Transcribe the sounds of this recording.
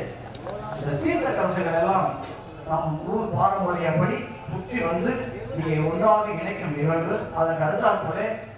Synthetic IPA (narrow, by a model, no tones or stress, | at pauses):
ɪnd̪ɐt̪iːɾt̪ɐkɐɾɐsɐɣɐɭɛlːãː | naːmuːɽpaːɾɯ̃mɔɾɐjɐpɐɽi | pʊʈːiʋɐnd̪ɯniːŋɡɐʊnːaːɣɯɪɳɐkʲːɯmɪɣɐɭʋɯɐðɐkɐɽɯt̪ːaːpoːle